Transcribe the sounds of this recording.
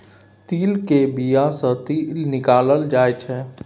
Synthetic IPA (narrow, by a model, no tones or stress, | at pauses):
t̪iːlkebijãsə̃t̪ilnɪkaləld͡ʒaːɛt͡ʃʰɛ